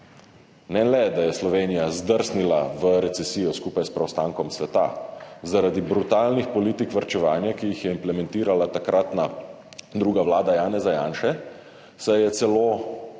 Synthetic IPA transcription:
nɛlɛd̪ajɛslɔʋeːnijazd̪əɾsnilaʋəɾɛt̪sɛsiːjɔskuːpajspɾɛwst̪aːŋkɔmsʋɛt̪a̰zaɾad̪ibɾut̪aːlnixpɔliːt̪ikʋaɾt͡ʃɛʋaːnjakijixjɛimplɛmɛnt̪iːɾalat̪akɾʔat̪na | d̪ɾuːɡaʋlaːd̪ajaːnɛzaja̰ːnʃɛ | sajɛt̪sɛloː

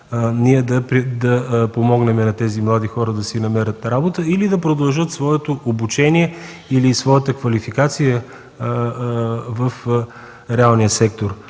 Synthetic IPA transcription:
niɛd̪ɐpɾid̪ɐpomɔɡnɛmɛnɐt̪ɛzimlˠad̪ixɔɾəd̪ɐsinɐmɛɾət̪ɾabot̪əilid̪ɐpɾod̪ɐlˠʒɤt̪svɔɛt̪oʔobut͡ʃɛniɛ | ilisvɔjət̪əkvɐlifikat̪sijə | vəf | ɾɛalˠnijəsɛk̚t̪oɾ

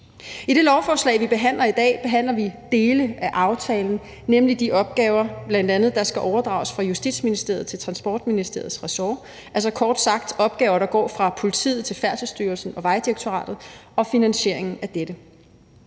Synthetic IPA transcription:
iɾ̥e̝lɒʊfɒːslɛ̰ɪʋib̥e̝ɦæn̰lɐid̥ɛ̰ːb̥e̝ɦæn̰lɐʋid̥e̝ːləʔæʔɑ̈ʊt͡sʰɛːln̩ | nemlid̥iʔɒ̽b̥̚ɡ̥ɛːʊɐb̥læn̰d̥ænð̞̩ˠd̥ɑ̈sɡ̥æʔɒʊɐd̥ʁɑ̈ʊsfʁɑ̈jusd̥ḭd̥sminisd̥e̝ɐt͡sʰe̝lt͡sʰʁɑ̈nsb̥ɒːd̥minisd̥e̝̰ɐð̞̩ˠsʁɛsɒː | ælsɒ̽kʰɒːd̥sɑ̈ɡ̥̚d̥ɒ̽b̥̚ɡ̥ɛːʊɐɾ̥ɑ̈ɡ̥ɒ̰ːfʁɑ̈pʰo̝lit͡sʰḭːð̞̩ˠt͡sʰe̝lfæɐsəsd̥yːɐlsn̩ɒ̽ʋɑ̈ɪd̥iʁɐɡ̥̚t͡sʰo̝ʁɑ̰̈ːd̥ð̞̩ˠɒ̽finænɕe̝ɐ̰e̝ŋn̩æd̥ed̥ə

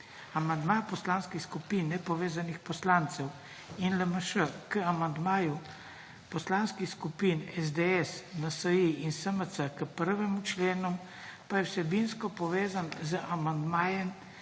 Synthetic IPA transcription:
amand̪mapɔslanskixskupiːnːɛpɔʋeːzanixpɔslaːnt̪sɛw | inləməʃəkəamand̪maːju | pɔslanskixskupinɛz̬d̪eɛsnasəjiinsəməsəkəpəɾʋɛmut͡ʃleːnum | pajɛwsɛbinskɔpɔʋeːzanzəʔamand̪maːjɛm

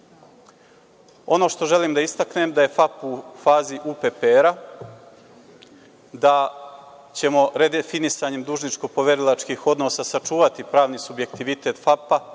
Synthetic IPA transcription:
o̞no̞ʃt̪o̞ʒe̞liːmd̪aist̪akne̞ːmd̪aje̞fapufaːziʔuːpepeɾa | d̪a | t͡ɕe̞mo̞ɾe̞d̪efinisaːɲe̞md̪uːʒnit͡ʃko̞po̞ʋe̞ɾilˠat͡ʃkiːxo̞d̪no̞sasat͡ʃuːʋat̪ipɾaːʋnisubje̞kt̪iʋit̪e̞ːt̪fapa

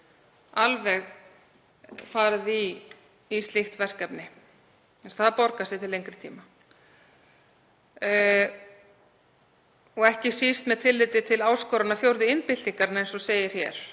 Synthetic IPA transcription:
alvɛɣ | faːɾɪðiː | st̪ɪxt̪vɛr̥kɛpnɪ | ɛst̪θaðpɔɾkasɪt̪ʰɪlejŋkɾɪt̪ʰḭːma | ɔɣɛhcɪsist̪mɛðt̪ʰɪlːɪːt̪ɪt̪ʰɪlaːwskɔːwɾanafjowɾðɪɪnpɪlt̪iŋkaɾɪnejnsɔseːjɪɾ̥çjɛ̰ɾ̥

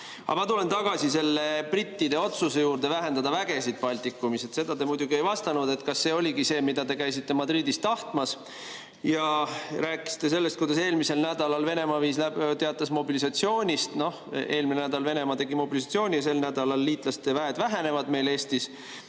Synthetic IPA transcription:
ɑ̰mɑt̪ule̞nt̪ɑɡ̥ɑsise̞lːe̞prit̪ʲːid̪̥e̞o̞t̪suse̞juːɾd̪e̞væɦe̞nd̪ɑd̪ɑvæɡe̞sid̪̥̚pɑlʲt̪ikːˑumise̞t̪se̞d̪̥ɑd̪e̞mujd̪̥ʲuɡie̞jvɑst̪ɑnud̪̥e̞t̪ˑkɑsːe̞ːo̞lʲiɡise̞ːmid̪̥ɑd̪e̞kæjsit̪ːe̞mɑd̪ɾiːd̪ist̪ːɑht̪mɑs | jɑɾæːkːˑi̥st̪e̞se̞lːest̪̚kujd̪̥ɑse̞ːlmise̞lnæd̪̥ɑlɑlve̞ne̞mɑviːslæt̪e̞ɑt̪ːˑɑsmo̞bilisɑt̪sio̞ːnʲist̪no̞he̞ːlminenæd̪ɑlve̞ne̞mɑt̪e̞ɡimo̞bilis̬ɑt̪sio̞ːnʲijɑse̞lnæd̪ɑlɑlːiːt̪ˑlɑst̪evæːed̪væɦe̞ne̞vɑd̪me̞jle̞ːst̪is

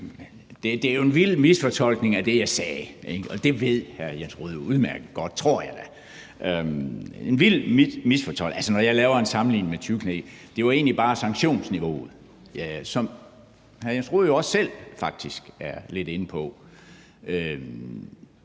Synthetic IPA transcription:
d̥e̝d̥e̝æɐjo̝e̝nʋil̰misfɒ̽t͡sʰɒ̽l̰ɡ̥ne̝ŋæd̥e̝jɑ̈ɪsɛːeɒ̽d̥e̝ʋe̝ð̰ˠhæɐjensʁo̝ːð̞̩ˠjo̝uð̞ˠmæɐɡ̥ð̩ˠɡ̥ɒ̽d̥̚t͡sʰʁo̝ɐ̰jɑ̈ɪd̥æ | ʔø | enʋil̰mmisfɒ̽t͡sʰɒ̽l̰ælsənɒjɑ̈ɪlɛːʊɐe̝nsɑ̈mn̩lḭːnəmet͡sʰyɡ̥ʰned̥e̝ʋɑ̈e̝ːnlib̥ɑ̈ːsɑ̈ŋɡ̥ɕo̝̰ːnsniʋo̝̰ːð̩ˠ | jæsɒ̽m | hæɐjensʁo̝ːð̞̩ˠjo̝ɒ̽sːel̰fɑ̈ɡ̥̚d̥isɡ̥æɐle̝de̝nəpʰɒ̽ | ø

